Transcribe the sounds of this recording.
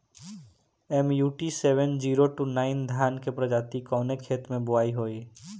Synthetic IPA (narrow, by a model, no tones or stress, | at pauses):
emjuːʈiseʋend͡ʒiɾoʈunaɪnd̪ʱjankepɾəd͡ʒaːt̪ikɔ̃ːnekʰeːt̪mẽbʊaːiɦoːi